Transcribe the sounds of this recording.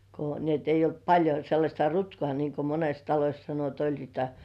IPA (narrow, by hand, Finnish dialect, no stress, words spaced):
ko ni et eijˑ olt pɑlʲjo selːɑsʲtɑ rutkŏɑˑ niˑŋko mones tɑlosʲ sɑno et olʲ niːtæ